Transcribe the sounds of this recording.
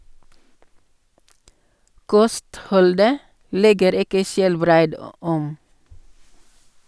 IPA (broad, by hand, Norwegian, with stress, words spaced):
ˈkɔstˌhɔldə ˈlɛɡəɾ ˈɪkə ˈʃɛlˌbɾæɪd ə ˈɔm